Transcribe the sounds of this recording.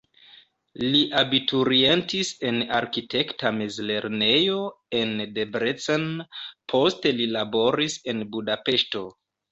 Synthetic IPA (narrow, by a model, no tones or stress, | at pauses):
liʔabituɾie̞ntise̞naɾkite̞ktamezle̞ɾne̞jo̞ | e̞ndebɾet͡senpʰo̞ste̞lilabo̞ɾise̞nbudape̞ʃto̞